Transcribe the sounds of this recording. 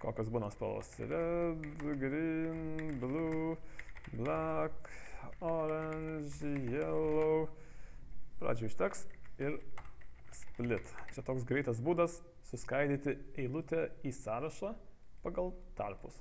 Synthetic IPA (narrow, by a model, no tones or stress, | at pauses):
koːkʲosbuːnɐspɐ̰lˠo̰sɾʲɛd̪ɡɾʲɪnbʲlʲu | bʲlʲækoːɾɐnʲʒʲjɛlɔʊ | pɾɑ̰ːd͡ʒʲʊɪʃʲt̪ʲɛksɪɾ | spʲlʲɪt̪t͡ʃʲɛt̪oːks̬ɡɾʲɛɪt̪ɐsbuːd̪ɐsː | ʊskɐɪd̪ʲiːt̪ʲɪɛɪlˠʊt̪ʲɛiːsɑːɾɐʃɑːpɑɡɐlˠt̪ɐɾpʊs